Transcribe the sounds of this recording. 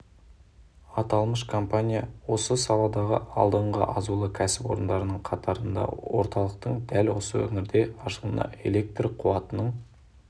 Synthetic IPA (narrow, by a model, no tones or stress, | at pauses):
ɑt̪ɑlˠməʃkʰo̞mpanʲijawo̞səsɑlˠɑd̪ɑʁə̰ɑ̰lˠd̪əɴʁə̰ʔɑzulˠəkʲʰæsɪpo̞ɾənd̪ɑɾənəɴqʰɑt̪ɑɾənd̪ɑ̰wo̞̰ɾt̪ɑlˠəq̚t̪əɴd̪ælwo̞səwɵ̰ŋɪɾd̪e̞ɑʃəlˠənɑ̰e̞̰le̞k̚t̪riqʰuɑt̪ənəɴ